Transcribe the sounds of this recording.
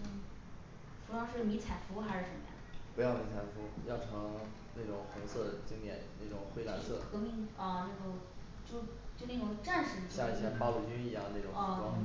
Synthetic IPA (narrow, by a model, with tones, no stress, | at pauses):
fu˧˥lwɑ˥ŋʂɻ̩˥˧jo˥˩mi˧˥t͡sʰa˨˩ɪfu˥xa˧˥ʂɻ̩˥˩ʂə˧˥mə˧jɑ̰˥˩pu˧˥jɑ˥˩ʊmi˧˥nt͡sʰa˧˩ɪfu˧˥jɑ˥˩ʊʈ͡ʂʰɤ˧˥ŋ | na˥˩ʈ͡ʂʊ˨˩ŋxʊ˧˥ŋsɤ˥˩d̪t͡ɕi˥ŋt̪jɛ̰˨˩˦nna˥˩ʈ͡ʂʊ˨˩ŋxwe˥ɪla̰˧˥nsɤ̰˥˩kɤ˧˥mi˧˥ŋɐ˥˧na˥˩ɡə˧˩ | t͡ɕjo˥˧ʊ | t͡ɕjo˥˧ʊne˥˩ʈ͡ʂʊ˨˧˩ŋʈ͡ʂa˥˧nʂɻ̩˥˩˧ɕja˥˩i˧˥ɕja˥˩pɑ˥ʊlu˥˩t͡ɕy˥ni˧˥jŋ˧na˥˩ʈ͡ʂʊ˨˩˧flɑ˥ŋ